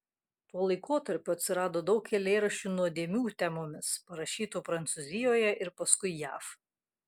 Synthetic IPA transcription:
t̪uɔlˠɐɪkoːt̪ɐɾʲpʲʊɐt̪ʲsʲɪɾɑːd̪oːd̪ɒʊkkʲɛlʲeːɾɐʃʲt͡ʃʲuːnuɔd̪ʲeːmʲuːt̪ʲæmoːmʲɪspɐɾɐʃʲiːt̪oːpɾɐnt̪sʊzʲɪjoːjɛʔɪɾpɐskʊɪjæ̰ːf

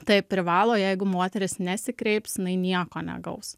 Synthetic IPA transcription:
t̪ɐɪpʲɾʲɪʋɑːlˠoːjɛɪɡʊmoːt̪ʲɛɾʲɪsnʲɛsʲɪkɾʲɛɪpsjɪnɐɪnʲiɛkoːnʲɛ̰ɡɐʊs

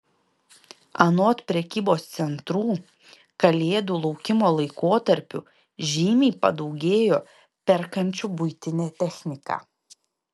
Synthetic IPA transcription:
ɐnoːt̪pʲɾʲɛkʲiːboːst̪sʲɛnt̪ɾuː | kɐlʲeːd̪uːlˠɒʊkʲɪmoːlˠɐɪkoːt̪ɐɾʲpʲʊ̰ | ʒʲiːmʲɛːpɐ̰d̪ɒʊɡʲeːjoː | pʲɛɾkɐnʲt͡ʃʲʊbʊɪt̪ʲɪnʲɛːt̪ʲɛxʲnʲɪkɑ̰ː

